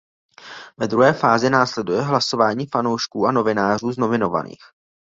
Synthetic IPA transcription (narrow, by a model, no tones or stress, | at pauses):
vɛd̪ɾuɦɛːfaːzɪnaːslɛdujɛɦlaso̞vaːɲiːfanowʃkuːano̞vɪnaːr̝uːzno̞vɪno̞va̰nḭːx